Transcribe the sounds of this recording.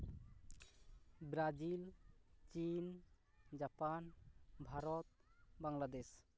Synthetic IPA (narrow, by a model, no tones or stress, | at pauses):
bɾad͡ʒilt͡ʃin | d͡ʒapanbʱaɾɔt̪̚baŋlad̪es